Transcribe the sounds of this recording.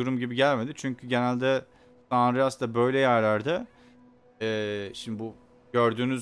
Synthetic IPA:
uɾumɟibiɟælʲme̞d̪it͡ʃʰyɲcʰyɟe̞nælʲd̪ɛ | sanɾiast̪abø̞jlʲɛjæɾlʲæɾd̪ɛ | ɛːʃimd̪ibu | ɟø̞ɾd̪yːnyz

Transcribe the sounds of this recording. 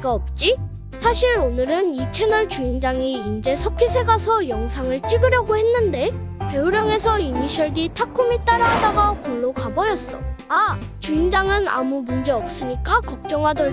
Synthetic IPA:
ɡaʌp̚t͡ɕ͈i | sʰaɕʰiɾonɯɾɯnit͡ɕʰe̞nʌɭt͡ɕuind͡ʑaŋiːnd͡ʑe̞sʰʌkʰisʰe̞ɡasʰʌjʌŋsʰaŋɯɭt͡ɕ͈iɡɯɾjʌɡohe̞nːɯnde̞pe̞uɾjʌŋe̞sʰʌiniɕʰʌɭɡitʰakʰumit͈aɾaɦadaɡakuɭːokabʌjʌs͈ʌa | t͡ɕuind͡ʑaŋɯna̰mumund͡ʑe̞ʌp̚s͈ɯɲik͈akʌk̚t͡ɕ͈ʌŋɦadʌ

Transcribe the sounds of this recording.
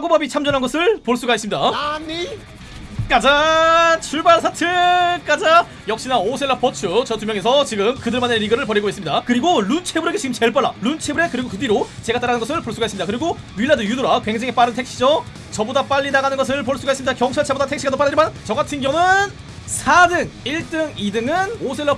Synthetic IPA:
sʰaɡobabit͡ɕʰamd͡ʑʌnɦanɡʌsʰɯɭpoɭs͈uɡaɦisɯmɲida | k͈ad͡ʑat͡ɕʰuɭbaɾsʰatʰɯk͈ad͡ʑa | jʌk̚ɕ͈inaosʰeɭːap͈ʌt͡ɕʰut͡ɕʌtumjʌŋe̞sʰʌt͡ɕiɡɯmkɯdɯɭmaneɾiɡɯɾɯɭpʌɾiɡoisɯmɲidakɯɾiɡoɭunt͡ɕʰe̞bɯɾe̞ɡet͡ɕiɡɯmt͡ɕeɭp͈aɭːalunt͡ɕʰe̞bɯɾe̞kɯɾiɡokɯdiɾot͡ɕe̞ɡat͈aɾanɯnɡʌsʰɯɭpoɭs͈uɡaɦes͈ɯmɲidakɯɾiɡo | ɥiɭːadɯjudoɾakwe̞ŋd͡ʑe̞ŋep͈aɾɯntʰe̞k̚ɕ͈id͡ʑo | t͡ɕʌbodap͈aʎːinaɡanɯnɡʌsʰɯɭpoɭs͈uɡaɦisɯmid̪akjʌŋt͡ɕʰaɭt͡ɕʰabodatʰe̞kɕiɡadop͈aɾɯɾimant͡ɕʌŋɡatʰɯnɡjʌŋɯn | sʰadɯŋiɭt͈ɯŋidɯŋɯnosʰe̞ɭːʌ

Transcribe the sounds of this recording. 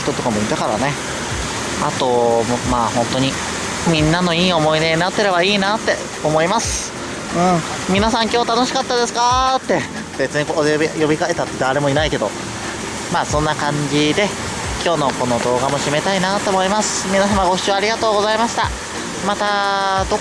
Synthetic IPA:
t̪ot̪o̞kamoid̪akaɾa̰ne̞ | at̪o̞mmaːhõ̞nt̪o̞ɲ̟i | mʲĩnːano̞iːo̞mo̞id̪e̞ɲinat̪ːe̞ɾe̞baiːnat̪ːe̞̰ | omo̞imasɨ̥ | ɯ̟̃ɴ | mʲinasãŋkʲo̞ːt̪ano̞ɕi̥kat̪ːad̪e̞sɨ̥kat̪ːe̞ | b̥e̞t͡sɨɲ̟ikood̪ejo̞bʲikae̞t̪at̪ːe̞d̪aɾe̞mo̞inaike̞d̪o̞̰ | maːsõ̞nːakãɲ̟d͡ʑid̪e̞ | kʲo̞ːno̞ko̞no̞d̪o̞ːɡamo̞ɕime̞t̪ainat̪o̞ːmo̞imasɨ̥mʲinasamaɡo̞ɕɕiaɾʲiɡat̪o̞ːɡo̞zaimaɕi̥t̪a | mat̪ad̪o̞

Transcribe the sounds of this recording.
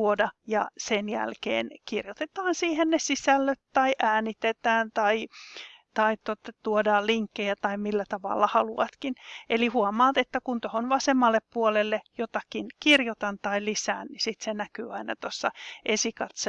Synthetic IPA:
uodɑjɑ̰senjæ̰lkḛːnkirjot̪et̪ɑːnsiːhennesisælːøt̪t̪ɑiʔæːnit̪et̪æːnt̪ɑit̪ɑit̪ot̪ɑt̪uodɑːlliŋkːejæt̪ɑimilːæt̪ɑʋɑ̰lːɑhɑluɑt̪kinelihuomɑːt̪et̪ːækunt̪ohonʋɑsemːɑlːeppuolelːejot̪ɑkinkirjot̪ɑnt̪ɑilisæːnnisit̪senækyːɑinɑ̰t̪osːɑʔesikɑt̪s

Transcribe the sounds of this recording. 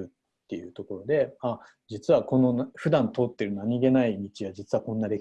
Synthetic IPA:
ɯ̟t̪ːe̞jɯ̟t̪o̞ko̞ɾo̞d̪e̞a | d͡ʑit͡sɨβako̞no̞nɸɯ̟d̪ãnt̪o̞ːt̪ːe̞ɾɯ̟naɲ̟id̪e̞naimʲit͡ɕiβad͡ʑit͡sɨβakõ̞nːad̪e̞

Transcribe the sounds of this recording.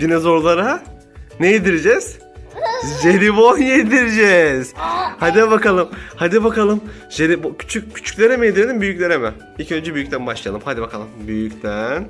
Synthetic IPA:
d̪inɛzo̞ɾlˠaɾa | nejed̪iɾid͡ʒɛz̥ | ʒeɾivonjed̪iɾid͡ʒɛz̥had̪ibakalˠɯmhad̪ibakalˠɯm | ʒeɾibcʰy̥t͡ʃʰyc̚cʰːy̥t͡ʃʰy̥cʲlʲeɾemijed̪iɾelʲimbyjycʲlʲeɾɛmɛ | ilʲcʰø̞nd͡ʒɛbyjyc̚ʲt̪ʰænbaʃlˠaja̰lˠɯmhad̪ibakʰa̰lˠɯmbyjycʲt̪ʰæn

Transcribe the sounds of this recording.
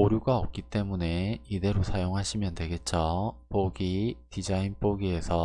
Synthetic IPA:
oɾjuɡaʌp̚k͈it͈e̞mune̞ide̞ɾosʰajoŋɦaɕʰimjʌndwe̞ɡe̞t̚t͡ɕ͈opoɡitid͡ʑainp͈oɡie̞sʰʌ

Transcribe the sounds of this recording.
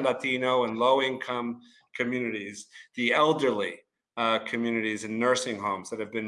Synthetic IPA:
ndatinoʊə̃nloʊɪ̃nkʰʌ̃m | kʰɨmjʉnɨɾizðiɛlˠdə˞li | kʰɨmjʉnɨɾizɨ̃nːɜ˞sɪ̃ŋɦõʊ̃mzðɨt̚hɨvbɨ̃n

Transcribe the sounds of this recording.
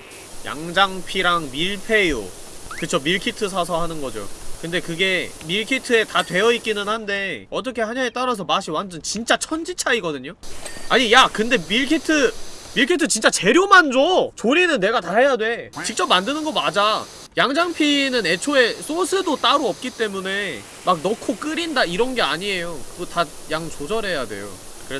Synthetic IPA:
ja̰ŋd͡ʑaŋpʰiɾaŋmiɭpʰe̞jo̰ | kɯt͡ɕʰomiɭkʰitʰɯsʰasʰʌɦanɯnɡʌd͡ʑo̰kɯnde̞kɯɡe̞miɭkʰitʰɯe̞tatwe̞jʌik͈inɯnhande̞ʌt͈ʌkʰe̞haɲaŋet͈aɾas̬ʰʌmaɕʰiwand͡ʑɯnt͡ɕint͡ɕ͈at͡ɕʰʌnd͡ʑit͡ɕʰaiɡʌdɯɲoaɲijakɯnde̞miɭkʰitʰɯmiɭkʰitʰɯt͡ɕint͡ɕ͈at͡ɕe̞ɾjomand͡ʑot͡ɕoɾinɯnːe̞ɡataɦe̞jadwe̞t͡ɕik̚t͡ɕ͈ʌpmandɯnɯnɡʌmad͡ʑa | jaŋd͡ʑaŋpʰinɯne̞t͡ɕʰoe̞s͈ʰosʰɯdot͈aɾoʌp̚k͈it͈e̞mune̞ | mak̚nʌkʰok͈ɯɾindaiɾʌnɡe̞aɲie̞jokɯɡotajaŋt͡ɕod͡ʑʌɾe̞jadwe̞̰jo̰ | kɯɾe

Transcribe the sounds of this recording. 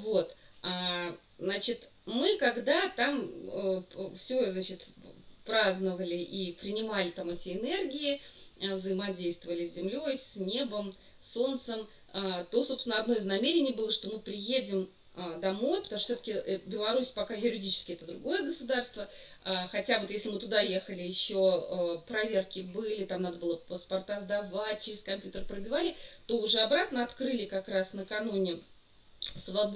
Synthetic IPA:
vo̞t̪a | znat͡ɕɪt̪ | mɨkɐɡd̪at̪aməfsʲoznat͡ɕɪt̪pɾaznəvəlʲɪʔipɾʲɪnʲɪmalʲɪt̪amɛtʲɪɪnerɡʲɪɪvzəɪmɐdʲejst̪vəvəlʲɪsʲzʲɪmlʲo̞jsʲnʲe̞bəm | so̞nt̪səm | t̪o̞sosʲnəɐd̪no̞ɪznɐmʲeɾʲɪnʲɪjbɨlˠəʂt̪o̞mɨpɾʲɪjedʲɪm | əd̪ɐmo̞jpə̥t̪ɐmoʂ̬t̪osʲot̪əkʲɪʔbʲɪlˠɐɾusʲpɐkajʊɾʲɪdʲit͡ɕɪ̥skʲɪɛt̪əd̪ɾʊɡo̞jəɡəsʊd̪arst̪və | axɐtʲavot̪jesʲlʲɪmɨt̪ʊd̪ajexəlʲɪjɪɕːoəpɾɐvʲe̞rkʲɪbɨlʲɪt̪amnad̪əbɨlˠəpəspɐrt̪azd̪ɐvat̚ʲt͡ɕɪɾʲɪskɐmʲpʲjut̪ərpɾəbʲɪvalʲɪt̪o̞ʊʐɛɐbɾat̪nəɐt̪kɾɨlʲɪkɐkɾasnəkɐnunʲɪ | svɐ

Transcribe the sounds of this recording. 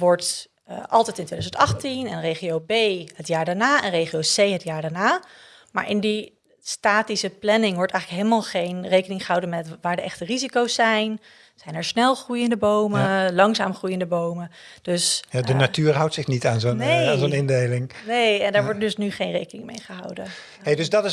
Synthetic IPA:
ʋɔɹt | ʔɑ̰lˠtɛjtɪntʋejdazəntɑχtinɛnrejχiowbejɦətjaːɹdaːɹnaːɛnrejχiowsejɦətjaːɹdaːɹnaː | ma̰ːɹʔɪndi | staːtisəplɛnɪŋʋɔɹtɛjχələkɦeləmaːlˠχejnrejkənɪŋχəɦɑwdənmɛtʋaːɹdəʔɛχtərizikowsːɛjn | z̥ɛjnɛɹsnɛlˠχrujəndəbowməlɑŋza̰ːmχrujəndəbowməd̥øsjadənatyːɹɦʌwtsɪχnitaːnzoneaːnzonɪndejlɪŋnejɛndaːɹʋɔɹt̚dɵsnyχejnrejkənɪŋmḛjχəɦɑ̰wdən | ɦejdɵzdɑtɪ

